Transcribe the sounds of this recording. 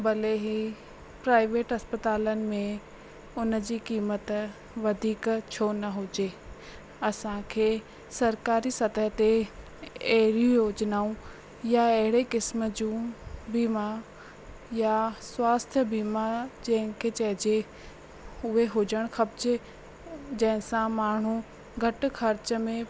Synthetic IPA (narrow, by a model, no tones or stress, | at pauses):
bɐleɦi | pɾaːɪʋeːʈɦɐspət̪aːlənɪ̆mẽ | ʊnd͡ʑiːkiːmət̪ | ʋɐd̪ʱiːkt͡ɕʰoːnɐɦʊd͡ʑe | ɐsãkʰeː | sɐɾkaːɾisɐt̪əɦt̪e | ɐɦɪɾijũjoːd͡ʑnaːũ | jaɐɦɪɽekɪsmə̆d͡ʑũːbimaɾ | jaswaːst̪ʰjəbiːmad͡ʑɐ̃ɦɪ̃kʰet͡ɕɐɦɪd͡ʑe | ʊɦeɦʊd͡ʑəɽ̃xɐbd͡ʑe | d͡ʑɐ̃ɦɪ̃sãmaːɳ̤u | ɡʱɐʈxɐɾt͡ɕəmẽ